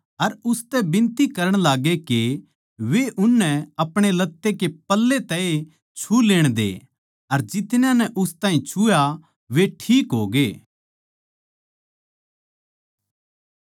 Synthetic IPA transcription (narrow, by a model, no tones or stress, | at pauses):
ɐɾʊst̪ɛbɪ̃nt̪ikɐɾəɽ̃laːɡeke | ʋeʔʊnːɛ̃ɐpɽ̃elɐt̪ːekepɐlːet̪ɛe | t͡ʃʰuleːɽ̃d̪ḛ | ɐɾd͡ʒɪt̪njãnɛʔʊst̪ãːĩt͡ʃʰuja | ʋeʈʰiːkɦoːɡeː